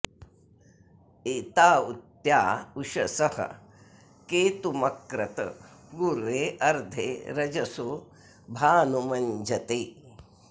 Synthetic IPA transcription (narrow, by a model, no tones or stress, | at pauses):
et̪aːut̪jaːuʃɐsɐhɐ̰ | keːt̪umɐkɾɐt̪ɐ̰ | ɡuɾʋeːʔɐɾd̪ʱḛːɾɐd͡ʒɐso | bʱaːnumɐɲd͡ʒʱɐt̪eː